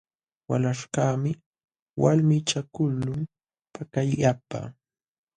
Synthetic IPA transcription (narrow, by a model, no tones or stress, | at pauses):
walaʃkaːmɪ | walmɪt͡ʃakʊlːʊm | pakajapa̰